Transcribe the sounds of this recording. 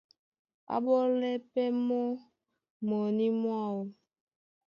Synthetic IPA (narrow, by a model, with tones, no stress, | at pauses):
a̰˦ɓɔ˦lɛ˦pɛ˦mɔ˦ | mɔ˨ni˦mwa˦˨wo˨